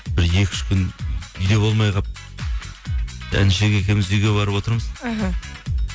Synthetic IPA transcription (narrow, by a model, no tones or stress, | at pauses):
bɪɾje̞kʲɪ̥ʃkʲʰʏnʏjd̪e̞bolˠmɑjʁɑ | æ̰nʃeɡʲekʲe̞mɪzejɡʲe̞bɑɾəpwo̞t̪əɾməzɦ